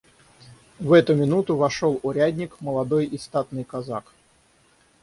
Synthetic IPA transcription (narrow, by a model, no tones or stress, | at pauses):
vɛt̪ʊmʲɪnut̪ʊvɐʂolˠʊɾʲæd̪ʲnʲɪkməlˠɐd̪ojɪst̪at̪nɨjkɐzak